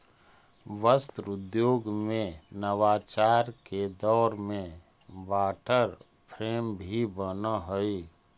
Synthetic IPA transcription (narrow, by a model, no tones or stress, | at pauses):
ʋəst̪ɾʊd̪joːɡmẽnəʋaːt͡ʃaːɾked̪ɔːɾmẽ | baːʈʰəɾ | pʰɾeːmbʱibənaɦoi